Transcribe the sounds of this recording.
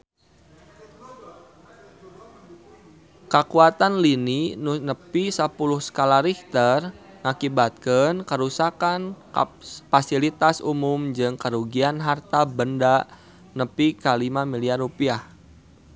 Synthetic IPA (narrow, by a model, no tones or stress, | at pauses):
kəkuat̪anlininnəpisəpulʊhsə̥kalaɾikt̪ər | ŋakibat̪̚kənkəɾusakan | fasilit̪asumʊmd͡ʒɨŋkəɾuɡianɦart̪abənda | nəpikalimamiliarupiah